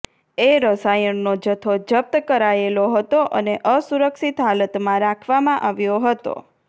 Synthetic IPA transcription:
eɾəsajənːod͡ʒət̪ʰod͡ʒəp̚t̪əkəɾaeloɦət̪oʔəneʔəsuɾəkʃit̪ɦalət̪mãɾakʰʋamãʔaʋjoɦət̪o̰

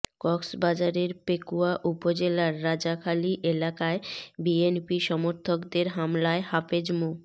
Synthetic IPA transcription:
kɔksbad͡ʑaɾeɾpekuaʔupod͡ʑelaɾːad͡ʑakʰaliʔelakaebienpiʃɔmoɾt̪ʰokd̪eɾɦamlaehafed͡ʑmu

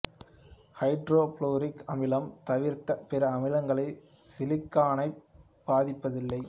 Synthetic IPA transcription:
hɐɪɖɾoːploːɾɪkɐmɪlɐmt̪ɐʋɪɾt̪ɐpɛɾɐːmɪlɐŋɡɐɭɐɪ | sɪlɪkːaːnɐɪ | baːðɪpːɐðɪlːɐɪ

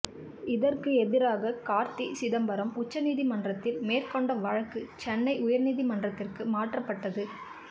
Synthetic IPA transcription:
ɪðɐrkɯɛðɪɾaːɣɐkaːɾt̪isɪðɐmbɐɾɐmʊt͡ʃːɐniːðimɐndrɐt̪ːɪlmeːrkɔɳɖɐʋɐɻɐkːɯt͡ʃɛnːɐɪʊjɐɾniːðimɐndrɐt̪ːɪrkɯmaːʈrɐpːɐʈːɐðɯ

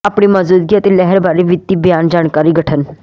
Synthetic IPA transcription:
apɽ̃imɐzuːd̪̚ɡiat̪ilɛɦɛɾbʱaːɾiʋɪd̪ːibjaːnd͡ʒaːɳkaːɾiɡʱəʈʰən

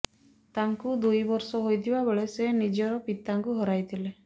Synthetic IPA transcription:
t̪aŋkud̪ujbɔɾsɔɦojt̪ʰibabeɭesenid͡ʒɔɾɔpit̪aŋkuɦɔɾajt̪ʰile

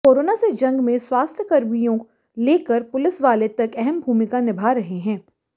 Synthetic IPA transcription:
koːɾoːnased͡ʒɐ̃ŋɡmẽswaːst̪ʰjəkɐɾmijõ | leːkəɾpʊlɪsʋaːlet̪ɐkɛɦɛmbʱuːmɪkanɪbʱaːɾɐɦeɦɛ̃ː

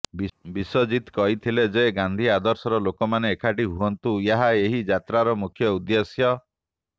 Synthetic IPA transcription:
bisɔd͡ʒit̪kɔɦit̪ʰiled͡ʒeɡãnd̪ʱiad̪ɔɾsɔɾɔlokɔmaneːkʰaʈiɦuɦɔnt̪ujaɦaeɦid͡ʒat̪ɾaɾɔmukʰjɔud̪jɔsjɔ

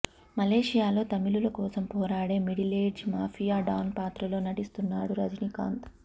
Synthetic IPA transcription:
mɐleːʂijaːlo̞ːt̪ɐmilulɐkɔːsɐmpɔːɾaːɽe̞ːmiɽileːɖd͡ʒmaːfʰijaːɖɐwnpaːt̪ɾɐlo̞ːnɐʈist̪unːaːɽuɾɐd͡ʒnika̰ːnt̪

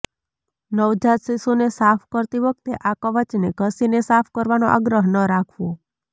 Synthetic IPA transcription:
nəʋd͡ʒat̪sisunesapʰkəɾt̪iʋək̚t̪eʔakəʋət͡ʃneɡʱəsinesapʰkəɾʋanoʔa̰ɡɾəɦnəɾakʰʋõ

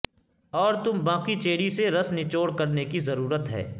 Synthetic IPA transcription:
ɔːɾt̪ʊmbãːqit͡ʃeːɽiseɾɐsnɪt͡ʃoːɽkɐɾnekizɐɾuːɾət̪ɦɛ̰ː

